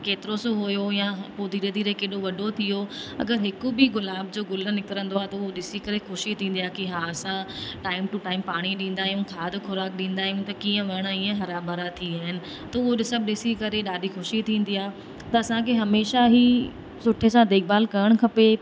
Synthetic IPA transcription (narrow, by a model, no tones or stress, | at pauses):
keːt̪ɪɾosoɦojojãpoːd̪ʱiɾed̪ʱiːɾekeːɗoʋɐɗʱot̪ʰijoɐ̰ɡəɾɦɪkʊbɪɡʊlaːbd͡ʑoːɡʊlə̆nɪkəɾə̃nd̪oaːt̪ɐʊɦoɗɪsikɐɾexʊʃit̪ʰĩːn̆d̪iaːkiɦaːɐsãʈaːɪmʈʊʈaːɪmpaːɽ̃iɗĩːn̆d̪aːɦjũkʰaːd̪ʱkʊɾaːkɗĩːnd̪aːɦjũt̪ɐkiːə̃ʋɐɽ̃iːə̃ɦɐɾabaɾat̪ʰiaːɦɪnɪ̆ | t̪ɐʊɦoɗɪsɐbʱɗɪsikɐɾeɗaːdʱixʊʃit̪ʰĩːn̆d̪iaːɦ | t̪ɐɐsãkʰeɦɐmeːʃaɦi | sʊʈʰesãd̪eːk̚baːlkɐɾəɽ̃kʰɐpe